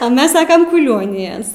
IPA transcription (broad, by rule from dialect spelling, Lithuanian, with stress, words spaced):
ɐ ˈmʲɛs ˈsɑːkɐm kʊˈlʲoːnʲɪjɛs